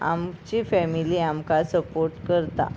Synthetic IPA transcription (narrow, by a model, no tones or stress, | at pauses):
a̰mt͡ɕifɛmiliamkasəpoɾʈkəɾt̪a̰